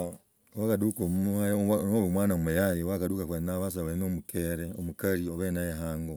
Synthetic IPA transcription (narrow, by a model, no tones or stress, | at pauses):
wakadukomuhanowemwaːnamejajewakadukakwainaβas̬aβainoːmukeɾeomukaɾioβenajeɦaːŋɡo